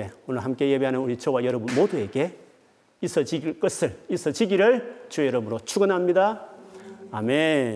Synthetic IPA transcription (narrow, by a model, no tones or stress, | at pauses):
eunɯɭɦamk͈e̞jebeɦanɯnuɾit͡ɕʰowajʌɾʌbunmodue̞ɡe̞ | is͈ʰʌd͡ʑiɡiɭk͈ʌsʰɯɭis͈ʰʌd͡ʑiɡiɾɯɭt͡ɕujʌɾʌbɯɾot͡ɕʰuɡɯnɦamɲida | ame